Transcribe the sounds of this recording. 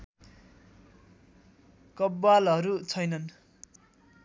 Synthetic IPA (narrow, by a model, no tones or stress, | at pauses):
kʌbːalɦʌɾut͡sʰʌjnʌn